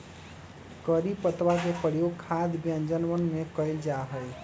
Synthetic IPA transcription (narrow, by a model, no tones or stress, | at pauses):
kəɾipət̪ʋakepəɽjokʰad̪bjənd͡ʒənʋənmekəɪld͡ʒaɦəj